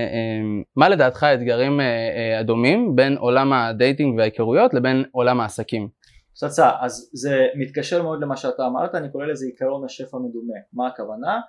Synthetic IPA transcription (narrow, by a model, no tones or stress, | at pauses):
emːale̞daːt̪χaet̪ɡaʁimead̪omimbe̞nʔo̞̰lamad̪ejtiŋɡveajkeʁujo̞t̪le̞be̞no̞lamaːsakim | sat͡saʔazzemit̪kaʃeʁmeo̞d̪lemaʃeataːma̰ʁt̪aːnikoʁelezeikaʁo̞naʃe̞famed̪umemaːkavana